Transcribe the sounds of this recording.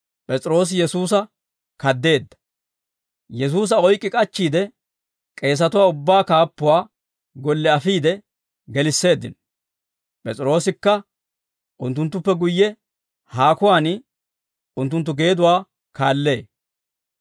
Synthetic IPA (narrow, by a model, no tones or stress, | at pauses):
pʼɛt͡sʼɪɾo̞ːs̬ɪjɛsuːs̬ɐ | kɐd̪ːe̞ːd̪ːɐ̥ | jɛs̬uːs̬ɐɔjkʼːɪkʼɐt͡ʃːiːd̪ɛ | kʼe̞ːs̬ɐt̪ʊwaːʊbːaːkaːpːʊwaː | ɡɔlːɛɐfiːd̪ɛ | ɡɛlɪsːe̞ːd̪ːɪ̰n | pʼɛt͡sʼɾo̞ːsɪkːɐ | ʔʊnt̪ːʊnt̪ːʊpːɛɡʊjːɛ | haːkʊwaːn | ʊnt̪ːʊnt̪ːʊɡe̞ːd̪ʊwaː | kaːlːe̞ː